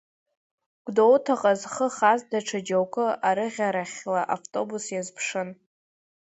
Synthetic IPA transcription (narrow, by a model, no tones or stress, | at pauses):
ɡ̥ʷdowtʰaqʼazχəχazdaʈ͡ʂʰad͡ʒawkʷʼɨaɾɨʁʲaɾaχʲlaʔaftʼo̞busjazpʰʂɨn